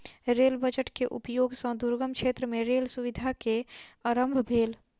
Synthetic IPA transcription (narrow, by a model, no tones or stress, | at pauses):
ɾeːlbəd͡ʒəʈkeʔʊ̰pjoːɡsə̃d̪uɾɡəmkʃʰeːt̪ɾəmẽɾeːlsuʋɪd̪ʱakeəɾə̃mbʱbʱeːl